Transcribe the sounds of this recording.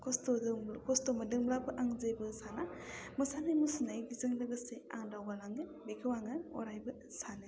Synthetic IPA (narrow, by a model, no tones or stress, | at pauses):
kʰɔstɔdkʰɔstomɐdɯŋblabɯʔaŋzɯjbɯsanamɯsanɯjmusunajɡizɯŋlɯɡɯsea̰ŋdawɡalaŋɯbekʰɯwaŋɯɔ̰ɾajbɯ | sanɯ